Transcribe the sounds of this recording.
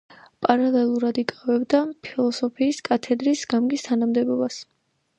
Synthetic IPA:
pʼaɾalɛlˠuɾad̪ikʼavɛbd̪apʰilˠɔsɔpʰiːskʼat̪ʰɛd̪ɾisɡamɡist̪ʰanamd̪ɛbɔbas

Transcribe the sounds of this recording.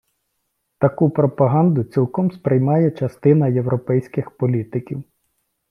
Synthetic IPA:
t̪ɐkupɾɔpɐɦɑnd̪ʊt͡sʲilˠkɔmspɾɪjmɑjɛt͡ʃɐst̪ɪnɐjewɾɔpɛjsʲkɪxpɔlʲit̪ɪkʲiw

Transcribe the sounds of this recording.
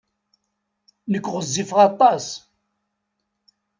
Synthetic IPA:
nəkːʁəzːifʁɑt̪ˤːɑs

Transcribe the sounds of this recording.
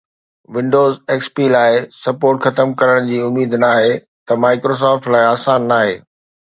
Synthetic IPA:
ʋɪ̃ɳɖoːzeːkspiːlaːɪsɐpoːɾʈxɐt̪əmkɐɾəɽ̃d͡ʑiːʊmiːd̪naːɦe | t̪ɐmaːɪkɾoːs̬ɔːfʈlaːɪaːsaːnːaːɦeː

